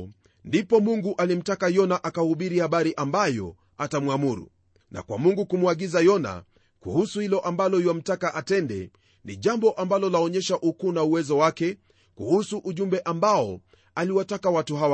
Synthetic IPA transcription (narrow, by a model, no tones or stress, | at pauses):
ndipɔmuŋɡuʔalim̩takajɔnaʔakahuɓiɾihaɓaɾiʔambajɔ̰ | atamwamuɾṵ | nʔa̰kwamuŋɡukumuaɠizajɔna̰ | kṵhusuhilɔʔambalɔiwam̩takaʔatɛndɛ̰ | niʄambɔʔambalɔlaɔɲɛʃaʔukunauwɛzɔwakɛ | kuhusuʔuʄumbɛʔambaɔ | aliwatakawatuhawa